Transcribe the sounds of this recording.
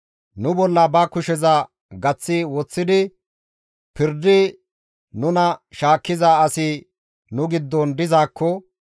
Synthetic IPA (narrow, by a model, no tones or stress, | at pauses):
nʊbɔlːɐbɐkʊʃɛzɐ | ɡɐt͡sːɪwɔt͡sːɪd̪ɪ | pɪɾd̪ːɪ | nʊnɐʃaːkːɪzaɐsɪ | nʊɡɪd̪ːɔnd̪ɪzaːkːɔ